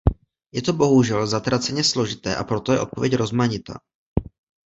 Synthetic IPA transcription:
jɛt̪o̞bo̞ɦuʒɛlzat̪ɾat͡sɛɲɛslo̞ʒɪt̪ɛ̰ːʔapɾo̞t̪ojɛʔo̞t̪̚po̞vjɛcɾo̞zmaɲɪt̪a̰ː

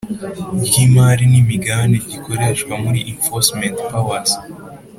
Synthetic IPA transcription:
bɟimaːɾinimiɡandeɟikʰo̞ɾeʃkwamuɾiʔinfosmentpawaz̥

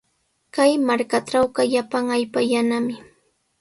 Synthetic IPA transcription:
kajmaɾkaʈ͡ʂawɢaʎapaŋaʎpajanamɪ

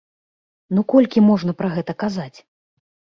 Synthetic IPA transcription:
nukɔlʲkʲimɔʐnɐpɾɐɣɛt̪ɐkazat͡sʲ

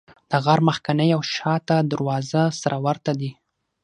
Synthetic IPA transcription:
d̪̥əɣaɾmaxkanəjawʃɑt̪ad̪aɾwɑzasaɾawaɾt̪ad̪i

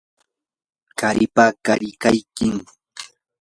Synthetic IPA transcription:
kaɾɪpakaʎɪkajkɪŋ

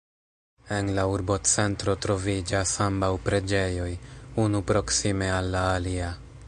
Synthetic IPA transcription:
e̞nlauɾbo̞t͡se̞ntɾo̞tɾo̞vid͡ʒasambawpɾe̞d͡ʒe̞jo̞junupɾo̞ksime̞alːaːlia

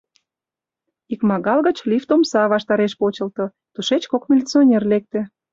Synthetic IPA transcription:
ikmɑɣɑlɣət͡ɕlift̪omsɑβɑʃt̪ɑɾeʃpot͡ɕə̆lt̪ŏ | t̪uʃet͡ɕkokmʲilʲit͡sionʲerlek̚t̪ĕ

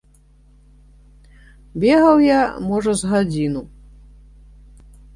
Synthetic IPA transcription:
bʲɛɣɐwjamɔʐɐzɣad͡zʲinu

